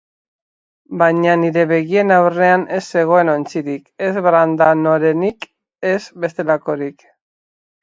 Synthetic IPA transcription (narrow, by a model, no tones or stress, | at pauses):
bajɲaniɾe̞βe̞ɣie̞nawre̞anʔe̞sːe̞ɣ̞o̞e̞no̞nt͡siɾike̞zβɾand̪anoɾe̞nik | e̞zbe̞st̪e̞lako̞ɾik